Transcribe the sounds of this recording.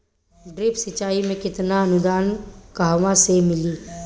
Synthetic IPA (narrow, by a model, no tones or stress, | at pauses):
ɖɾɪpsɪt͡ʃaːimẽkɪt̪naɐnʊd̪aːnkaːʋãsemɪliː